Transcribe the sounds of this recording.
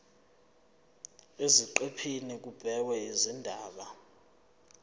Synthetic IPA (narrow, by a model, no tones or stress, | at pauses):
eziǃepʰinik̬ub̥ʱɛwɛizindʱaːɓa